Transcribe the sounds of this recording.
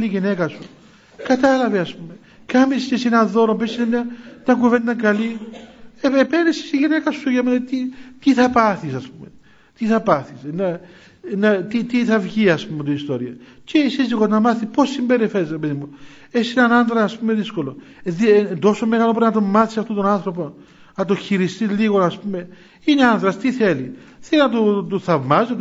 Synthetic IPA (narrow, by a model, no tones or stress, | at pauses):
liʝinekɐsu | kɐt̪ɐlɐveɐspume̞ | kɐmiscesinɐðo̞ɾompesinenɐt̪ɐŋkuvend̪ɐŋkɐli | eepenesi̥siʝinekɐsuʝɐment̪it̪iθɐpɐθisɐspume | t̪iθɐpɐθisnɐ | nɐt̪it̪iθɐvʝiɐspumːet̪oist̪o̞ɾiɐ | cesiziɣonɐmɐθipo̞sːimbe̞ɾifeɾizɾepeðimu | esinɐnɐnðɾɐːspumeðisko̞lo̞ | ðid̪o̞somːe̞ɣɐlopɾinɐt̪o̞mːɐθi̥sɐft̪ot̪onɐnθɾo̞po | nɐt̪oçiɾist̪iliɣo̞nɐspume̞ | ineɐnðɾɐst̪iθe̞liθelinɐt̪ut̪uθɐvmɐzit̪